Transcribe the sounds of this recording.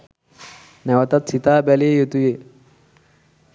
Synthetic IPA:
nɛʋat̪at̪sit̪aːbalejet̪uje

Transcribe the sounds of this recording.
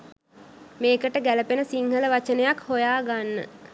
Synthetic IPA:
meːkəʈəɡæləpenəsiŋhələʋat͡ʃənəjakhojaːɡanːə̰

